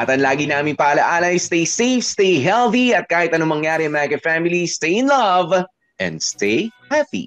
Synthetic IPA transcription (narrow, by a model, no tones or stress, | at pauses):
ʔɐt̪ɐnlaːɡinaːmɪnpaʔɐlɐʔaːlɐjst̪ejsejfst̪ejɦɛlθiɐt̪̚kaːhɪt̪ɐnomɐŋjaːɾɪɐŋmakɛfamɪlist̪ejɪnlɐv | ʔɛ̰̃nd̪st̪ejhɛpḭ